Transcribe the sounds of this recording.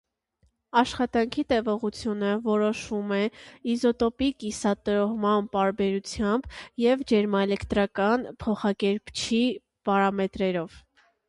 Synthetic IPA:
ɑʃχɑt̪ɑŋkʰit̪ɛvɔʁut͡sʰjunəvɔɾɔʃumɛizɔt̪ɔpikisɑt̪əɾɔʁmɑnpɑɾbɛɾut͡sʰjɑmbjɛvd͡ʒɛɾmɑɛlɛkt̪ɾɑkɑnpʰɔχɑkɛɾpt͡ʃʰi | pɑɾɑmɛt̪ɾɛɾɔv̥

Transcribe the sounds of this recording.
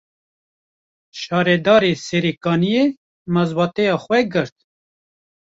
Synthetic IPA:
ʃɑːɾɛd̪ɑːɾesɛɾeːkɑːnije | mɑzbɑːt̪ɛjɑːxʷwɛɡɨɾt̪̚

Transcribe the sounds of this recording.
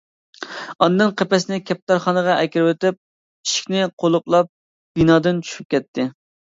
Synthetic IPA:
ɑnd̪ɨnqʰepɛsnɪkʲʰɛp̚t̪ɑɾχɑnəʁɑʔɛkʲɪɾwet̪ɪp̚ | iʃi̥kʲnɪqʰolˠuplˠɑp̚ | b̥inɑːd̪ɨnt͡ʃʰy̥ʃy̥p̚kʲɛt̪ʰːɪ

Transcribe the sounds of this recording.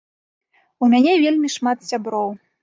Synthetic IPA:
umʲanʲɛvʲelʲmʲiʂmat̪sʲabɾɔw

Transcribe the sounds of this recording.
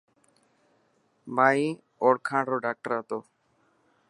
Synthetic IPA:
mai | oɽkʰãɖɾoɖak̚ʈəɾat̪o

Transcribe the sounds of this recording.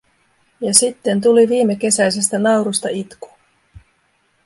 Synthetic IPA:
jɑsit̪ːe̞nt̪̬uliʋiːmːe̞k̟e̞sæjse̞st̪ænɑwɾust̪ɑit̪ku̥

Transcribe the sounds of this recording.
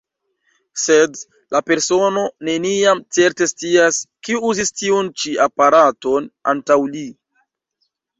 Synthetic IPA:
se̞d | lʔape̞ɾso̞no̞ne̞niamt͡se̞ɾte̞st͡siaskiuzistiunt͡ʃiapaɾato̞na̰ntawli

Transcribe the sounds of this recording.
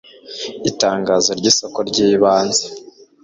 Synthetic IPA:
itaːŋɡazo̞ɾɟiːsokoɾɟiːβaːnze

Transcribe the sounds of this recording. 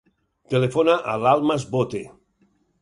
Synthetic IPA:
t̪elefonaʔalalˠmazbot̪e

